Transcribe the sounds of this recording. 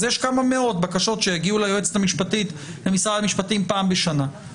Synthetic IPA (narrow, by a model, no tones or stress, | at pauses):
zjeʃkamame̞o̞tbakaʃo̞tʃejeɡiulajoet͡set̪amiʃpatit̪lemisʁalamiʃpatimpaːmbeʃana